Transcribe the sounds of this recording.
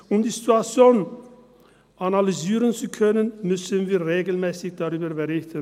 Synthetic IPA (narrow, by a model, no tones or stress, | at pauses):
ʔʊmdiːzituat͡sjoːn | ʔanalyziːʁənt͡sukʰœnənmʏsənviːɐʁeːɡl̩mɛːsɪçd̥aʁyːbɐbəʁɪçtən